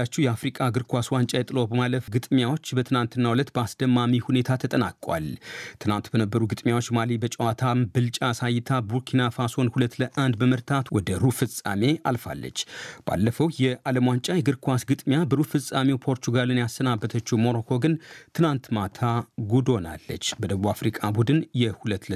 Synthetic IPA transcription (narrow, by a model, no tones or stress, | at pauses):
at͡ʃːɛwjɛafɾikʼaɡɨɾkʰʷaswant͡ʃʼajɛt̪ʼɨlo̞bəmaləfɡɨt̪ʼmjawo̞t͡ʃːbət̪ʰɨnant̪ʰɨnːawulət̪ːbəasd̪̥əmːamihune̞t̪ʰat̪ʰət̪ʼənakʼwa̰lt̪ʰɨnant̪bənəbːəɾuɡɨt̪ʼmjawo̞t͡ʃːmalibət͡ʃʼəwat̪ʰambɨlt͡ʃʼasajɪt̪ʰabuɾkʰinafaso̞nhulət̪ːləʔand̪bəməɾt̪ʰat̪wɔd̪əɾufɨsʼa̰me̞alfa̰lːə̰t͡ʃːb̥a̰lːəfəwjɛaləmwant͡ʃʼajɛɡɨɾkʰwasɡɨt̪ʼmjabəɾufɨsʼamewpʰo̞ɾt̪ʰuɡalɨnjasənabːət̪ʰət͡ʃːɛwmo̞ɾokʰo̞ɡɨnt̪ʰɨnant̪mat̪ʰaɡud̪o̞na̰lːə̰t͡ʃːbəd̪əβuafɾikʼabud̪ɨnjɛhulət̪ːlə